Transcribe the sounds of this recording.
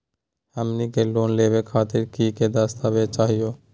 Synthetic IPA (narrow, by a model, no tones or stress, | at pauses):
amnikelonlebekʰat̪iɾkiked̪ast̪abet͡ʃaɦio